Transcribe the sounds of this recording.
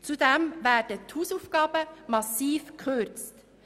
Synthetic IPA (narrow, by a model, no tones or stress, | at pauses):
t͡sudɛmvæːɾdət̪huːsuːfɡ̥ɑːbəmɑsiːfkʰχøɾt͡st